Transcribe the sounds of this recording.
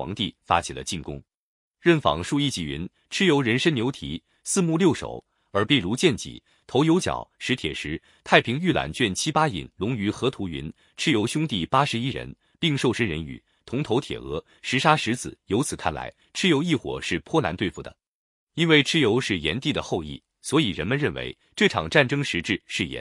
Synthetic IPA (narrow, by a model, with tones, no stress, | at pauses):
wɑ̰˧˥ŋt̪i˥˩fa̰˥t͡ɕʰi˨˩lə̰˦t͡ɕi˥˩nkʊ̰˥ŋ | ɻə˥˩nfɑ̰˨˩ŋʂu˥˧i˥˩t͡ɕi˨˩ɥy̰˧˥n | ʈ͡ʂʰɻ̩˥jo˧˥ʊɻə˧˥nʂə˥njo˧˥ʊt̪ʰḭ˨˩˥ | sɹ̩˥˧mu˥˧ljo˥˩ʊʂo̰˨˩ʊ | ə˞˧˥pi˥˩ɻu˧˥t͡ɕjɛ˥˩nt͡ɕḭ˨˩˦ | t̪ʰo˧˥ʊjo˧˥ʊt͡ɕjɑ̰˨˩ʊʂɻ̩˧˥t̪ʰjɛ̰˨˩ʂɻ̩˧˥ | t̪ʰa˥˩ɪpʰi˧˥ŋy˥˩la̰˧˥nt͡ɕɥɛ˥˩nt͡ɕʰi˥pa˥ḭ˨˩nlʊ˧˥ŋy˧˥xɤ˧˥t̪ʰu˧˥y̰˧˥n | ʈ͡ʂʰɻ̩˥jo˧˥ʊɕjʊ˥ŋt̪i˥˩pa˥ʂɻ̩˧˥i˥ɻə̰˧˥n | pi˥˧ŋʂo˥˧ʊʂə˥nɻə̰˧˥ny̰˨˩˦ | t̪ʰʊ˧˥ŋt̪ʰo˧˥ʊt̪ʰjɛ̰˨˩ɤ̰˧˥ | ʂɻ̩˧˥ʂa˥ʂɻ̩˧˥t͡sɹ̩˨˩˦jo˧˥t͡sʰɹ̩˨˩kʰa̰˥˩nla̰˧˥ɪ | ʈ͡ʂʰɻ̩˥jo˧˥ʊi˥˩xwɔ̰˨˩ʂɻ̩˥˩pʰwɔ˥la̰˧˥nt̪we˥˧ɪfu˥˩d̪ə̰˩ | i˥nwe˥˧ɪʈ͡ʂʰɻ̩˥jo˧˥ʊʂɻ̩˥˩jɛ̰˧˥nt̪i˥˩d̪ə˩xo˥˧ʊḭ˥˩ | swɔ˧˥i˨˩ɻə̰˧˥nmə˧nɻə˥˩nwḛ˧˥ɪ | ʈ͡ʂɤ˥˩ʈ͡ʂʰɑ̰˨˩ŋʈ͡ʂa˥˩nʈ͡ʂɤ˥ŋʂɻ̩˧˥ʈ͡ʂɻ̩˥˧ʂɻ̩˥˩jɛ̰˧˥˦n